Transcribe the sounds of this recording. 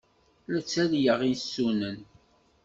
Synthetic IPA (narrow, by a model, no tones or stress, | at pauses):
læt͡sːæljəʁinsːunən